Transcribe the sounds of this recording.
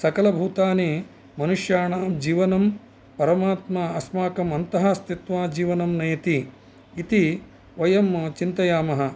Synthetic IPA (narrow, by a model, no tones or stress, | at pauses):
sɐkɐlɐbʱuːt̪aːneː | mɐnuʂjaːɳaːmd͡ʒiːʋɐnɐm | pɐɾɐmaːt̪mɐɐsmaːkɐmɐnt̪ɐɦɐ̆st̪it̪ʋaːd͡ʒiːʋɐnɐmneːt̪i | it̪i | ʋɐjɐmt͡ʃint̪ɐjaːmɐɦɐ̆